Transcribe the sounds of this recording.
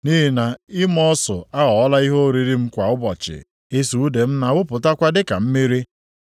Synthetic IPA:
ni˦ɦi˦na˨i˦mɔ˦sʊ̰˨a˦ɣɔ˨˦la˦i˦ɦo˦ɾi˨ɾi˦m̩˦kʷa˨ʊ˦bɔ˨t͡ʃɪ̰˨ | e˦su˨u˦de˨m̩˦na˨wʊ˦pʊ˨ta˦kʷa˦dɪ˦ka˨m̩˦me˦ɾi˦

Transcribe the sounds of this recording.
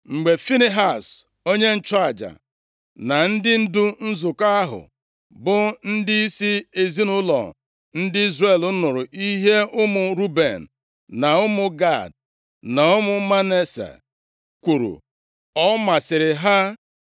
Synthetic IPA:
ŋ͡m̩˨ɡ͡be˨fi˦ni˦ɦa˦˨s | o˦ɲe˦n̩˦t͡ʃa˨d͡ʒa̰˨ | na˨n̩˦dɪ˦n̩˦du˦n̩˦zʊ˨ka˦a˦ɦʊ̰˨ | bʊ˨n̩˦dɪ˦i˦si˦e˨zi˦nʊ˦lɔ̰˨ | n̩˦dɪ˦i˦zre˨lʊ˦nʊ˨ɾʊ˨ʔi˦ɦe˦ʊ˦mʊ˨ɾu˦be˨n̩˨ | na˨ʊ˦mʊ˨ɡa˦˨d | na˨ʊ˦mʊ˦ma˦ne˦sḛ˨ | kʷu˨ɾṵ˨ | ɔ˦ma˨sɪ˨ɾɪ˨ɦa˦

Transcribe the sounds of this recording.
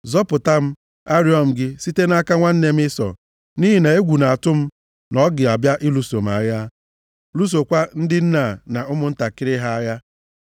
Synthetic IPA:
zɔ˦pʊ˨ta˦m̩˦ | a˦ɾi˦ɔ˨m̩˨ɡɪ˦si˦te˦na˦ka˦ŋʷa˦n̩˦ne˦m̩˦ɪ˦sɔ̰˨ | ni˦ɦi˨ne˨e˦ɡʷu˨na˨a˨tʊ˦m̩˦ | nɔ˦ɡɪ˨a˨bja˦ʔɪ˦lu˨so˨m̩˨a˨ja˦ | lu˦s̬o˨kʷa˦n̩˦dɪ˦n̩˦na˨na˨ʊ˦mʊ˦n̩˦ta˨kɪ˦ɾɪ˦ɦa˦a˦ja˦

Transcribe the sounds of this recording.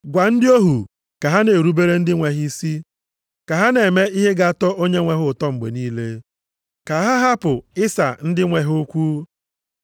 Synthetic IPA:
ɡʷa˨n̩˦dɪ˦o˦ɦu˨ | ka˨ɦa˦ne˨ɾu˦be˦ɾe˦n̩˦dɪ˦ŋʷe˨ɦi˦si˦ | ka˨ɦa˦ne˨me˦i˦ɦe˦ɡa˨a˨tɔ˦ʔo˦ɲe˦ŋʷe˨ɦʊ˨tɔ˦ŋ͡m̩˨ɡ͡bḛ˨niː˦le˦ | ka˨˦ɦa˦ɦa˦pʊ˨ɪ˦sa̰˨n̩˦dɪ˦ŋʷe˨ɦʊ˦kʷuː˦

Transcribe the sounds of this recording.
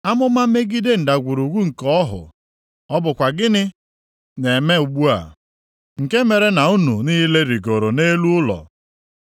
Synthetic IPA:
a˦mʊ˦ma˦me˦ɡi˦de˦n̩˨da˨ɡʷu˨ɾu˨ɡʷu˦ŋ̩˨kɔ˦ɦʊ̰˨ | ɔ˦bʊ˨kʷa˨ɡɪ˦nɪ˦ | ne˨me˦u˨ɡ͡bu˦a̰˨ | ŋ̩˨ke˦me˨ɾe˦na˨u˦nṵ˨niː˦le˦ɾi˨ɡo˨ɾo˨ne˦lu˦ʊ˦lɔ̰˨

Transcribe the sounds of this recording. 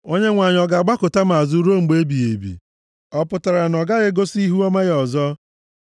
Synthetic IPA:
o˦ɲe˦ŋʷa˨ɲ˨ɔ˨ɡa˨ɡ͡ba˦kʊ˨ta˦ma˨zu˦ɾo˦ŋ͡m̩˨ɡ͡be˦bi˨ḛ˨bḭ˨ | ɔ˦pʊ˨ta˨ɾa˨nɔ˨ɡa˦ɣɪ˦ɡo˦si˦ɦu˦ɔ˦ma˦ɣɔ˨zɔ˦

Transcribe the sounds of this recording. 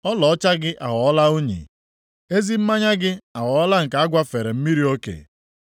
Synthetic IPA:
ɔ˦lɔ˨ɔ˦t͡ʃa˦ɡɪ˦ʔa˨ɣɔ˨ɔ˦la˦o˦ɲḭ˨ | e˦zi˦m̩˦ma˦ɲa˦ɡɪ˦a˨ɣɔ˨ɔ˦la˦ŋ̩˨ka˨˦a˦ɡʷa˦fe˨ɾe˨m̩˦mi˦ɾi˦o˦kḛ˨

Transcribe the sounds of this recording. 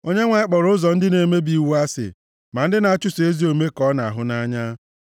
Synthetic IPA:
o˦ɲe˦ŋʷa˨ɪ˦k͡pɔ˨ɾʊ˦ʊ˦zɔ˨n̩˦dɪ˦ne˨˦me˦bi˦˨wu˦a˦sɪ̰˨ | ma˨n̩˦dɪ˦na˨a˦t͡ʃʊ˦se˦zi˦o˨me˦kɔ˦na˨a˨ɦʊ˦na˦ɲa˦

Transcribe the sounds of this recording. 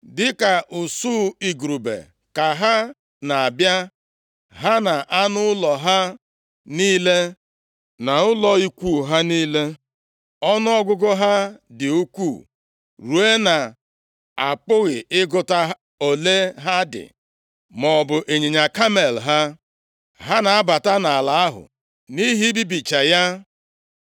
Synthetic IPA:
dɪ˦ka˨ʔʊ˨suː˦˨i˨ɡɾu˨bḛ˨ | ka˨ɦa˦ | na˨a˨bja˦ | ɦa˦na˨ʔa˦nʊ˦lɔ˨ɦa˦ | niː˦le˦ | na˨ʊ˦lɔ˨i˦kʷu˦˨ɦa˦niː˦le˦ | ɔ˦nʊ˦ɔ˦ɡʊ˦ɡʊ˦ɦa˦dɪ˨u˦kʷu˦˨ | ɾu˨e˦na˨ | a˨pʊ˦ɣɪ˨ʔɪ˦ɡʊ˨ta˦ | o˨le˦ɦa˦dɪ̰˨ | mɔ˨bʊ˨ʔe˨ɲi˨ɲa˨ka˦me˨lɦa˦ | ɦa˦na˨a˦ba˨ta˦na˨a˨la˨a˦ɦʊ̰˨ | ni˦ɦi˦bi˦bi˨t͡ʃa˨ja˦

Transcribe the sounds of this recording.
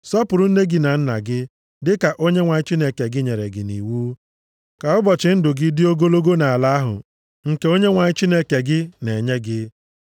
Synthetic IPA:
sɔ˦pʊ˨ɾʊ˦n̩˦ne˦ɡɪ˦na˨n̩˦na̰˨ɡɪ˦ | dɪ˦ka˨ʔo˦ɲe˦ŋʷa˨ɲɪ˦t͡ʃi˦ne˦ke˨ɡɪ˦ɲe˨ɾḛ˨ɡɪ̰˨nḭ˨wuː˦ | ka˨ʊ˦bɔ˨t͡ʃɪ˨˦n̩˦dʊ˨ɡɪ˦dɪ˦o˦ɡo˦lo˦ɡo˦na˨a˨la˦a˦ɦʊ̰˨ | ŋ̩˨ke˦o˦ɲe˦ŋʷa˨ɲɪ˦t͡ʃi˦ne˦ke˨ɡɪ˦ne˨ɲe˦ɡɪ˦

